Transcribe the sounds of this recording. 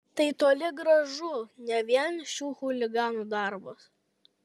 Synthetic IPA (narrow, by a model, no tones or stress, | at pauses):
t̪ɐɪt̪oːlʲɪɡɾɐʒʊnʲɛʋʲiɛnʃʲuːxʊlʲɪɡɑːnuːd̪ɑˑɾbɐs